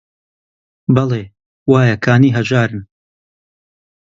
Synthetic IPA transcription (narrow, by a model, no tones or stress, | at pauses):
bɐlˠeː | waːjɐkʰaːniːɦɐd͡ʒaːɾɨn